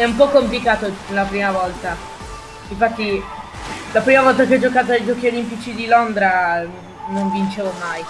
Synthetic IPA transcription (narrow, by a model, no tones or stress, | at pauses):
ɛumpɔkːomplikaːt̪olapɾiːmavɔlt̪a | iɱfat̪ːi | lapɾiːmavɔlt̪akeɔd͡ʒokaːt̪̬oajd͡ʒɔːkiolimpit͡ʃid̪ilond̪ɾa | noɱvint͡ʃevomaj